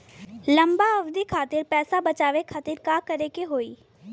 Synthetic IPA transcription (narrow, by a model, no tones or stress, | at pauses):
lə̃mbaɐʋd̪ikʰaːt̪ɪɾpɛːsabət͡ʃaːʋekʰaːt̪ɪɾkaːkəɾekeɦoːiː